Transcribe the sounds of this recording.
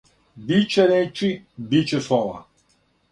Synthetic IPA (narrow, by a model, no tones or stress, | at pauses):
bit͡ʃɛɾɛt͡ʃibit͡ʃɛsˠɔva̰